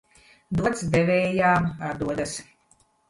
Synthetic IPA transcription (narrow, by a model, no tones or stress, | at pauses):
d̪uɔt̪sd̪evʲɛːjaːmaɾd̪uɔd̪as